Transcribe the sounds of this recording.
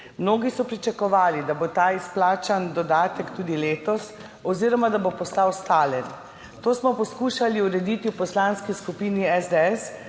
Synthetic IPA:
mnoːɡisɔpɾit͡ʃakɔʋaːlid̪abot̪aːisplaːt͡ʃand̪ɔd̪aːt̪ɛkt̪uːd̪ileːt̪ɔs | ɔziːɾɔmad̪abopɔst̪awst̪aːlɛn | t̪oːsmɔpɔskuːʃaliuɾɛd̪it̪iwpɔslanskiskupiːniɛzd̪eɛs

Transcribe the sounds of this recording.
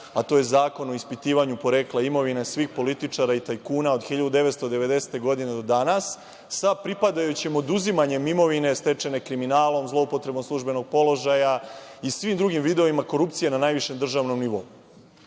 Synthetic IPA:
at̪o̞je̞zaːko̞no̞ispit̪iːʋaɲupo̞ɾeklˠaimo̞ʋinesʋiːxpo̞lit̪it͡ʂaɾait̪ajkuːnao̞d̪xiʎad̪ud̪e̞ʋet̪st̪od̪e̞ʋe̞d̪e̞se̥t̪e̞ɡo̞d̪ine̞d̪o̞d̪anasː | apɾipad̪ajut͡ɕemod̪uzimaɲe̞mimo̞ʋine̞st̪e̞t͡ʃe̞ne̞kɾiminaːlˠo̞mzlˠo̞upo̞t̪ɾe̞bo̞mslˠuʒbe̞no̞ɡ̚po̞lo̞ʒajaisʋimd̪ɾuɡimʋid̪eo̞imako̞ɾupt̪sije̞nanaːjʋiʃe̞md̪r̩ʒaːʋno̞mniʋo̞u

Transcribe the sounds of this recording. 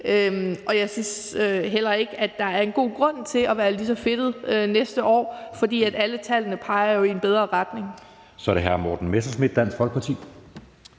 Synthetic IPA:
øɒ̽jɑ̈ɪsyːsøɦel̰ɐe̝ɡ̥æd̥ɑ̈æɐe̝nɡ̥o̝̰ːɡ̥ʁɔ̽n̰t͡sʰe̝ɒʋæːɐlisɒ̽fe̝d̥ð̩ˠønesd̥əʔɒ̰ːfɒ̽d̥ḭːæd̥ælət͡sʰælənəpʰɑ̈ɪɐjo̝ie̝nb̥eð̞ˠʁɐʁɑd̥ne̝ŋ | sɒɾ̥eɦæɐ̰mɒːd̥n̩mesɐsmid̥ːæn̰sɡ̥fɒ̽lɡ̥̚pʰɒt͡sʰḭː

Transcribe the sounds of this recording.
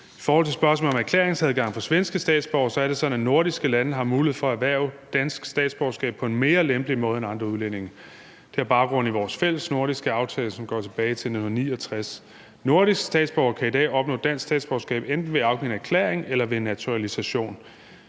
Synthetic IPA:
i̥fɒːhɒl̰t͡sʰe̝sb̥ɶɐsmɔ̰̽lɒ̽mæɐkʰleːɐeŋsæð̞ˠɡ̥ɑ̈ŋ̰fɒ̽sʋensɡ̥əsd̥ɛ̰ːd̥sb̥ɒʊɐsɒ̽æɐd̥e̝sɒ̽næno̝ɐ̰ɾ̥isɡ̥əlænəɦɑ̈muːlihḛfɒ̽æʋæɐ̰ʊd̥æn̰sɡ̥sd̥ɛ̰ːd̥sb̥ɒʊsɡ̥ɛ̰ːb̥̚ʰɒ̽e̝nme̝ːɐlemb̥limɔ̽ːð̞ˠenɑ̈nd̥ʁɐuðˠlen̰e̝ŋɐ | d̥e̝æɐb̥ɑ̈ʊɡ̥ʁɔ̽n̰iʋɒːsfel̰əsno̝ɐ̰ɾ̥isɡ̥əɑ̈ʊt͡sʰɛːləsɒ̽mɡ̥ɒ̰ːt͡sʰe̝b̥ɛːɪt͡sʰe̝lnehun̩ɐnḭːɒ̽t͡sʰʁas | no̝ɐɾisɡ̥sd̥ɛ̰ːd̥sb̥ɒʊɐkʰæid̥ɛ̰ːɒ̽b̥nɔ̽ːd̥æn̰sɡ̥sd̥ɛ̰ːd̥sb̥ɒʊsɡ̥ɛ̰ːb̥end̥n̩ʋe̝ɑ̈ʊɡ̥eŋ̰n̩æɐkʰlḛːɐeŋelɐʋe̝nːæt͡sʰuʁælisæɕo̝̰ːn

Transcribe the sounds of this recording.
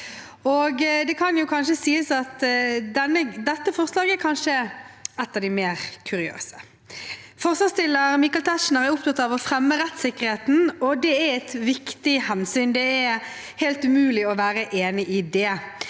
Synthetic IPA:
ɔɡd̪ɛkʰɑnjʊkʰɑnʃəsiːəsɑt̪d̪ɛnːəd̪ɛt̪ːəfɔʁslɑːɡɛɾkʰɑnʃəɛt̪ːɑʋd̪ɪmeːɾkʰʉɾɪø̰ːsə̥ | fɔʁslɑːst̪ɪlːəɾmikːɑlt̪ʰæʂnəɾæɾʊpt̪ɑt̪ːɑʋɔfɾɛmːəɾɛt̪sɪkːəʁɾheːt̪n̩ɔd̪ɛæɾɛt̪ʋɪkt̪ɪhɛnsyːnd̪ɛɛ | hɛlt̪ʉmʉːlɪɔʋæːɾəʔeːnɪʔɪd̪ɛ

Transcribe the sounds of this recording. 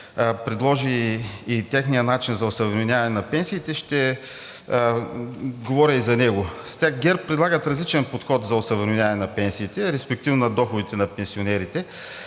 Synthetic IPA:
pɾɛd̪lˠɔʒiː | t̪ɛxnijənat͡ʃinzɐosɐvɾminʲjavɐnɛnɐpɛnsiːt̪ɛʃt̪ɛ | ɡovɔɾʲəizɐnɛɡost̪ʲaxɡʲɛɾppːɾɛd̪lˠaɡət̪ɾɐzlit͡ʃɛnpot̪xɔt̪zɐosɐvɾminʲavɐnɛnɐpɛnsiːt̪ɛɾɛspɛk̚t̪ivnonɐd̪ɔxʊd̪it̪ɛnɐpɛnsionɛɾit̪ɛ

